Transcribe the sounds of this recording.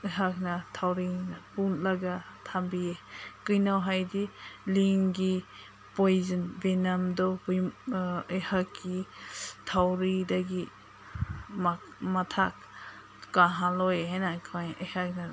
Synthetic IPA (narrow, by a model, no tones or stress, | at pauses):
jɦak̚natʰawɾinapunlaɡatʰambiekɯjnawɦajdiliŋɡi | pɔjzɯnbenamdɔbujɯjhakːitʰawɾidaɡi | ma | matʰak̚ | kaɦãlɔjeɦanakʰajɯjhak̚na